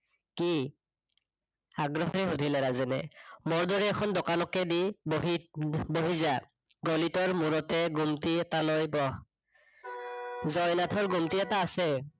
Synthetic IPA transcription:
ki | aɡɹɔɦɔɹɛɦudʱilɛɹazɛnɛ̰mɔɹdɔɹɛːkʰɔndɔkanɔkːɛdiboɦiboɦiza | ɡolitɔɹmuɹɔtɛɡumtiɛtanɔjbɔ | zɔjnatʰɔɹɡumtiɛtaːsɛ

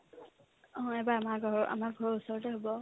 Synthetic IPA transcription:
ɔ̃ɛbaamaɡʱɔɹɔa̰maɹɡʱɔɹɔɹusɔɹɔtɛɦobɔ

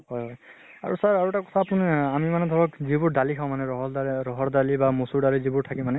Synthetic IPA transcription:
ɦɔjɦɔj | a̰ɹusaɹaɹuɛtakɔ̥tʰaːpʊnamimanɛd̪ʱɔɹɔkzibʊɹdalikʰaʊ̃manɛɹɔɦɔdaɹɔɦɔɹdalibamosuɹdaɹizibʊɹtʰakimanɛ

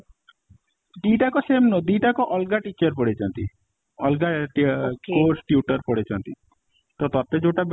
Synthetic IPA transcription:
d̪iʈakɔsemnod̪iʈakɔʔɔlɡaʈit͡ʃɔɾpɔɽet͡ʃʰɔnt̪i | ɔlɡaʈkosʈjuʈɔɾpɔɽet͡ʃʰɔnt̪i | t̪ɔt̪ɔt̪ed͡ʒoʈab

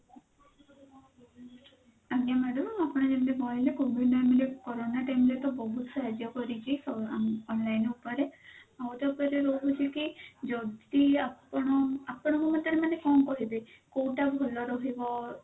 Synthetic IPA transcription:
aɡjamɛɖɔmapɔɽ̃ɔd͡ʒemneɡɔjlekʰubʱinɔjmelekɔɾonaʈajmlet̪ɔbɔɦut̪saɦad͡ʒjɔkɔɾit͡ʃʰisɔɔnlajnupɔɾeawut̪ɔkɔɾeɾoɦut͡ʃʰikid͡ʒɔd̪iaɔɳɔapɔɽ̃ɔmɔmɔnt̪ɔɾemanekɔnkɔɦibekowʈabʱɔlɔɾɔɦibɔ

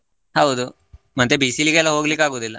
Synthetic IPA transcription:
hɐwd̪u | mɐt̪ebiːsiliɡeɛlːɐɦoːɡlikːaːɡoːd̪ilːɐ

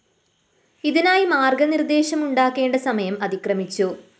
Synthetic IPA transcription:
iðinaːjimaːrɡɐnird̪e̞ːɕɐmuɳɖaːkːe̞ːɳɖɐsɐmɐjɐmɐðikrɐmit͡ɕːu

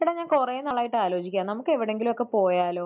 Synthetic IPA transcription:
ʋiɽeɲaːnkurejenːaɭːaːjiʈːɨaːlo̞ːt͡ɕikʲːaːnɐmukːɨe̞ʋiɽe̞ŋɡilumokːepo̞ːjaːlo̞ː

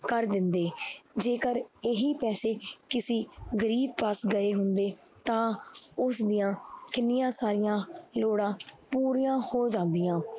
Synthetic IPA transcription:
kəɾd̪ɪnd̪eːd͡ʒeːkəɾɪɦiːpɛːseːkɪsiːɡəɾiːb̚pəsɡəeːɦʊnd̪eː | t̪ãːʊsd̪ɪjãːkɪnːɪjãːsaːɾɪjãːloːɽãːpuːɾijãːhoːd͡ʒãːnd̪ijãː

